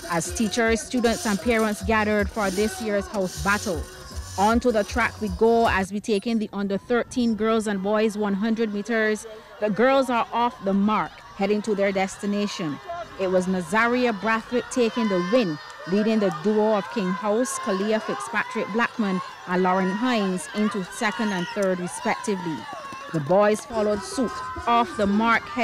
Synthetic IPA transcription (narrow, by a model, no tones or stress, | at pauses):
əz̥tʰit͡ʃə˞z̥stjudⁿn̩tsə̃npʰɛɹə̃ntsɡæɾə˞d̥fə˞ðɪsjɪɹz̥haʊsbæɾl̩ˠ | ə̃ntuðətʰɹ̥ækwiɡoəzwitʰeɪkɨ̃ŋðiʔʌ̃ndə˞θɜ˞tʰĩnɡɜ˞lˠzə̃nbɔɪzwʌ̃nɦʌ̃ndɹɨd̚miɾə˞z | ðɨɡɜ˞lˠzə˞ʔɔfðəmɑɹk | hɛɾɪ̃ŋtuðə˞dɛstɨneɪʃɨ̃nɪt̚wʌznəzɛɹiɨbɹæθlɪk̚tʰeɪkɪ̃ŋðəwɪ̃n | liɾɪ̃ŋðɨduʌv̥kʰɪ̃ŋhaʊskʰəliɨfɪkspæt͡ʃɹ̥ɨk̚b̥læk̚mɨ̃n | ʔə̃nlɔɹɨ̃nɦãɪ̃nzɪ̃ntusɛkɨ̃ndɨ̃nθɜ˞d̚ɹɨspɛk̚tɨvli | ðəbɔɪz̥fɑlˠoʊdsutɔfðəmɑɹkhɛ